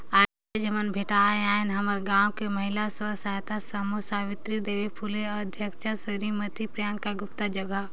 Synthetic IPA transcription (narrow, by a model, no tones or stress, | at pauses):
aː | ed͡ʒɐmənbʱeːʈaaːɪnɦɐməɾɡãːwkemɐɦɪlasəsaːjt̪asəmosaːʋɪt̪ɾid̪eːʋepʰuːleɔd̪ʱjəkt͡ʃasəɾimət̪ipɾjaːnkaɡʊpt̪ad͡ʒɐɡa